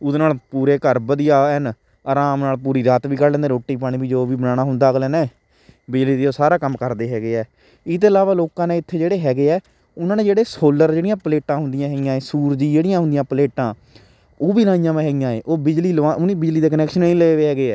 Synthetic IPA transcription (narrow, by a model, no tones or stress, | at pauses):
ʊd̪naːlpuːɾeːkəɾbəd̪ɪjaːn | aːɾaːmnaːlpuːɾiːɾaːt̪ʋiːkəɾlɛ̃ːnd̪eːɾoːʈːiːp̬aːɽ̃ĩːbiːd͡ʒoːʋiːbənaːɽ̃aːɦʊnd̪aːɡlɛːnɛː | bɪd͡ʒliːd̪eːoːsaːɾaːkəmːkəɾd̪eːɦɛːɡeːɛː | ɪt̪eːəlaːʋaːloːkãːneːɪt̪ʰːeːd͡ʒeːɽeːɦɛːɡeːɛː | ʊnãːneːd͡ʒeːɽeːsoːləɾd͡ʒeːɽijãːpəleːʈãːɦʊ̃nd̪ɪjãːɦɛːɡɪjãːẽːsuːɾd͡ʒiːd͡ʒeːɽɪjãːɦʊnd̪ijãːpəleːʈãː | oːbiːlaːɪ̃jãːmẽːɦɛːɡɪjãːeːʔoːbɪd͡ʒliːlʋãːʔʊniːbɪd͡ʒliːd̪eːk̬ənɛːkʃənːĩːleːʋeːɦɛːɡeːɛː